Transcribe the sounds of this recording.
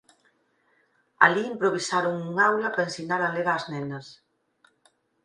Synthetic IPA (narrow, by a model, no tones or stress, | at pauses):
a̰liimpɾoβ̞isaɾoŋuŋawlɐpɾaẽnsinaɾaleɣaːznɛnɐs